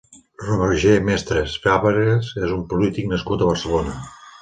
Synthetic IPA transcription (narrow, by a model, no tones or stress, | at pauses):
rumerʒemɛst̪ɾesfaβeɾezezumpulit̪iknəskut̪əβərsəlonə